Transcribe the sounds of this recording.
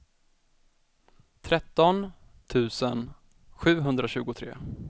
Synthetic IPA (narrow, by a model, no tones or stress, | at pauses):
t̪ʰɾɛt̪ːɔn | t̪ʰʉ̟ːsən | ɧʉ̟ːɦɵnd̪ɾaɕʉ̟ːɡʊt̪ʰɾḛː